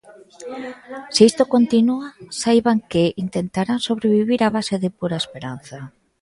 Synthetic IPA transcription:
seist̪okont̪inuasajβaŋkɪʔint̪ent̪aɾaŋsoβɾeβiβiɾaβaseðɪpuɾaespeɾan̟θa

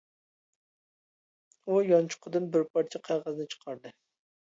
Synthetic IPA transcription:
ujɑnt͡ʃʰʊ̥qʰʊd̪ɨnbɪɾpʰɑɾt͡ʃʰɛqʰɑjʁəzɨnɨt͡ʃʰə̥qʰɑɾd̪ɨ

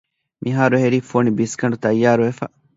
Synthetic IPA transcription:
mʔiɦaːɾuɦeɾiːfoːnibiskɐɳɖut̪ɐjːaːɾuʋefɐ̰

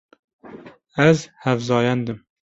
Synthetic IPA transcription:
æzhɛvzɑːjɛnd̪ɨm

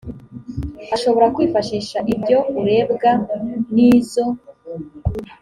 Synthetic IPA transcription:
haʃo̞βo̞ɾakwiːfaʃiːʃaʔibɟo̞uɾe̞ːbɡaniːzo̞

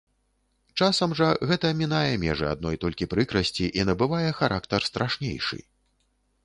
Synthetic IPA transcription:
t͡ʂasɐmʐɐɣɛt̪ɐmʲinajɛmʲɛ̰ʐɨa̰d̪̚nɔjt̪ɔlʲkʲipɾɨkɾɐsʲt͡sʲiʔinɐbɨvajɛxaɾʔakt̪ɐrst̪ɾʔaʂnʲḛjʂɨ̰

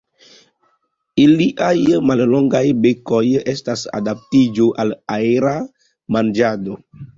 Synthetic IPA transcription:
iliʔajmalloŋɡajbeko̞jestasa̰dap̚tid͡ʒoʔalaeɾa | mand͡ʒado̞

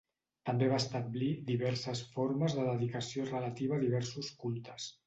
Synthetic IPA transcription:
t̪əmbeβaəst̪əblid̪iβ̞ɛɾsəsfoɾməzðəðəðikəsiorələt̪iβəːðiβɛɾsuskulˠt̪əs

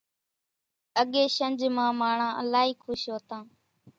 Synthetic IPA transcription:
əɠeːʃənd͡ʒmãːmaːɳãːʔəlaːiːkʰʊʃɦoːt̪ãː

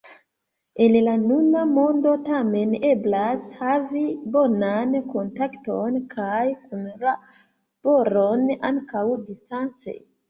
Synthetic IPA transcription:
e̞nlanunamo̞ndo̞tame̞ne̞blashavibo̞nanko̞ntakto̞nkʰajkunla | b̥o̞ɾona̰ŋkawdistant͡sḛ

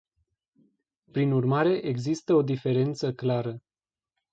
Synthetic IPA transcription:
pɾinurmaɾe̞ʔeɡzist̪əo̞d̪ife̞ɾe̞nt̪səklaɾə

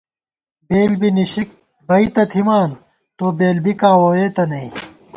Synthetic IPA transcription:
beːlbiniɕik̚ | bɐit̪ɐt̪ʰimaːn | t̪oːbeːlbikaːwoːjeːt̪ɐnɐĩ

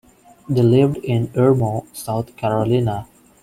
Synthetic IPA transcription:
d̪elɪʋɖɪ̃nəɹmosaʊt̪ʰkʰæɾolĩna

